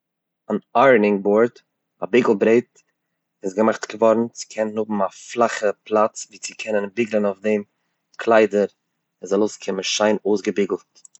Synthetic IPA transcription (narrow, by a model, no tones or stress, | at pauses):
anaɾnɪŋboɾt | a̰bɪɡl̩ˠbɾeɪt | ɪsɡəmaχtɡ̥əvɔɾn̩t͡sɪ̥kʰɛnnhʊbm̩aflˠaχəpʰlˠat͡sviːt͡sɪkʰɛnənbɪɡlˠənaʊfdɛm | kʰlˠaɪdəɾ | ɪnzɔlˠoʊskʰɪməʃaɪnoʊsɡəbɪɡl̩ˠt